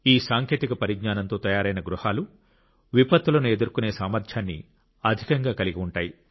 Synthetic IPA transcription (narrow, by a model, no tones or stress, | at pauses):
iːsaːŋkʰe̞ːt̪ikɐpɐɾiɡ̚ɲaːnɐnt̪o̞ːt̪ɐjaːɾɐjnɐɡɾuhaːlu | ʋipɐt̪ːulɐnue̞d̪uɾkune̞ːsaːmɐɾt̪ʰjaːnːḭ | ɐd̪ʱikɐŋɡaːkɐliɡiuɳʈaːji